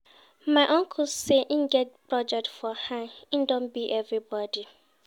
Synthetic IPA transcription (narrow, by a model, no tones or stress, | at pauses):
mãɪʔɔ̃ŋkʰʊsseʔĩnɡɛt̚pɹɔd͡ʒɛk̚tfɔhãĩndõnbiʔɛvɹibɔdi